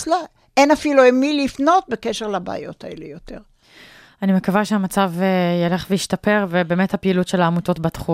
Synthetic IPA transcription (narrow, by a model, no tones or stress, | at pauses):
la | enafiluemilifno̞t̚bekeʃeʁlaba̰ːjo̞̰t̪ʰaḛlejot̪e̞ʁ | animekavaʃeamat͡savejale̞χveiʃtape̞ʁvebeːmethapeilutʃelaːmuto̞tbat̪χu